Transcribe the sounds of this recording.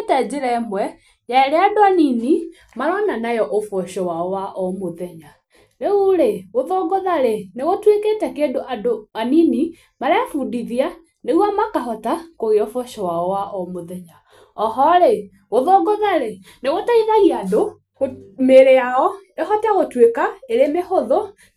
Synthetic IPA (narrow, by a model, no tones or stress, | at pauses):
etɛd͡ʑeɾɛmwɛ | jaɾeadoanini | maɾɔnanajɔʔofwɔʃɔwaɔwaʔɔmoðɛɲa | ɾeuɾeɣoðɔɡɔðaɾeneɣotweketɛkedoʔadoanini | maɾeafudiðia | neɣwamakaɦɔtakoɣeofwɔʃɔwaɔwaʔɔmoðɛɲa | ɔɦɔɾe | ɣoðɔɡɔðaɾe | neɣotaiɣaiado | ɣomeɾeaɔneɦɔteaɣotwekaeɾemehoðɔ